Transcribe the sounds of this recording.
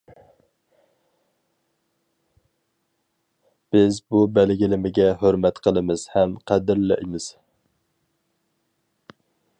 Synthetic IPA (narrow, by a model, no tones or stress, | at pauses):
b̥ɪzbubɛlɡʲilɪmɪɡʲɛɦøɾmɛt̪qʰəlˠɨmɨz̥hɛmqʰæd̪ɪɾlɛ̰ʔɪmɪz̥